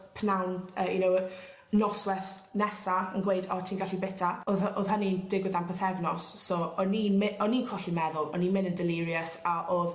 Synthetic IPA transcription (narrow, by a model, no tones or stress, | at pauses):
pʰnawnəːjunow | nɔswɛθ | nɛsaənɡwejdɔtʰiːnɡaɬibɪtʰaoðoðɦənind̥ɪɡwɪðanpʰəθɛvnɔsːoɔninmɪɔniːkʰɔɬimɛðʊlˠɔ̰ninmɪnəndɪliɾiəsaʔoːð